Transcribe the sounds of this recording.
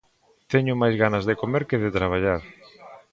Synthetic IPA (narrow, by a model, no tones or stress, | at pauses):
t̪ɛɲʊmajzɣanɐzðekomeɾkɪðɪt̪ɾaβ̞aʎaɾ